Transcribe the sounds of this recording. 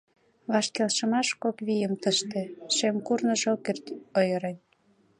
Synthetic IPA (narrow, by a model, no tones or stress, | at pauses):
βɑʃkelʃə̆mɑʃkokβijəmt̪əʃt̪ĕʃemkurnɤ̆ʒokert̪ojə̆ɾenʲ